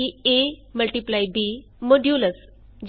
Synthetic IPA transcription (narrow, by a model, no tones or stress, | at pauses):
ieməlʈiplajbi | məɖjuləs | d͡ʑ